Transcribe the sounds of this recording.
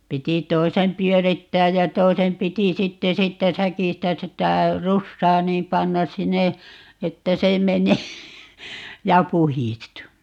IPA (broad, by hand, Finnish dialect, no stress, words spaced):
piti toisem pyøritːæːj jɑ toisem piti sitːe siːtːæ sækistæ sitæ rusːɑː niːm pɑnːɑs̆ sinːe etːæ se meneː jɑ puhistu